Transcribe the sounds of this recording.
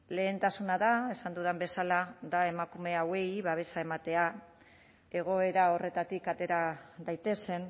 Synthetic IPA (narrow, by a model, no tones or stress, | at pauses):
le̞ːnt̪asunaðae̞sand̪uðembe̞salaðae̞makume̞awe̞jβaβ̞e̞sae̞mat̪e̞a | e̞ɣ̞o̞e̞ɾao̞re̞t̪at̪ikat̪e̞ɾaðajt̪e̞se̞n